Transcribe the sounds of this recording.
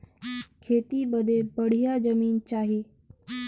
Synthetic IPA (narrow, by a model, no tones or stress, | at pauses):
kʰeːt̪ibəd̪ʱebəɽ̤ijad͡ʒəmiːnt͡ʃaːɦiː